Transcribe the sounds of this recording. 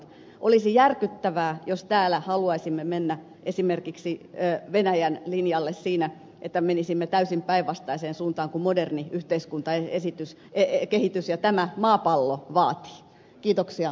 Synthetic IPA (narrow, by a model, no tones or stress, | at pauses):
ʔolisijærkyt̪ːæʋæːjost̪æːlæhɑluɑisimːemenːæ | ʔesimerkiksiːʋenæjænlinjɑlːessiːnæ | ʔet̪ːæmenisimːet̪æysimpæiʋʋɑst̪ɑiseːnsuːnt̪ɑːŋkumoderniyht̪eiskunt̪ɑeesit̪ys | ekehit̪ysjɑt̪æmæmɑːpɑlːoʋɑːt̪i̥ː | kiːt̪oksiɑ